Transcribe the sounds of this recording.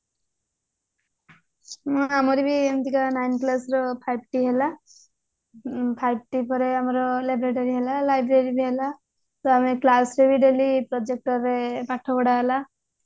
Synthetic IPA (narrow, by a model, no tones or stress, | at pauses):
mɔ̃amɔɾibiemt̪ikanajnklasɾɔpʰajb̚ʈiɦela | pʰajb̚ʈipɔɾeamɔɾɔlebɾeʈɔɾiɦelalajbɾeɾibiɦela | t̪ɔameklasɾebiɖelipɾɔd͡ʒek̚ʈɔɾepaʈʰɔbɔɽaɦela